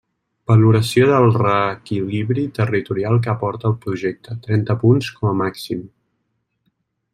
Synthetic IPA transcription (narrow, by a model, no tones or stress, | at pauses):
b̥əluɾəsioðəlˠrəːkiliβɾit̪ərit̪uɾialˠk̬əəːpɔɾt̪əːlˠpɾuʒɛk̚t̪ət̪ɾɛnt̪əpunskɔməmaksim